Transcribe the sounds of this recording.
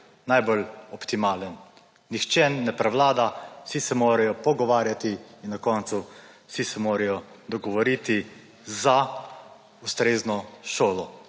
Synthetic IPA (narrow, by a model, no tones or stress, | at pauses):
najbolɔpt̪imaːlənː | ixt͡ʃɛːnːɛpɾɛʋlaːd̪asisɛmoːɾɛjɔpɔɡɔʋaːɾjat̪iːnnakɔːnt̪su | sisɛmoːɾɛjɔ | d̪ɔɡɔʋɔɾiːt̪i | za | ust̪ɾeːznɔʃoːlɔ